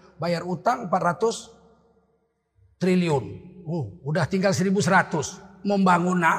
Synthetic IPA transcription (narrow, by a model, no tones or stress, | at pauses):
bajarut̪aŋmpat̪̚rat̪ʊs | t̪ɾiliʊnuudaht̪iŋɡalsəɾibusɾat̪ʊsməmbaŋuna